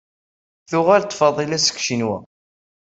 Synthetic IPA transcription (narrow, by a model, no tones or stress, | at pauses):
θʊʁælt̪ˤːfɑðˤilæsə̥kʃinwæ̰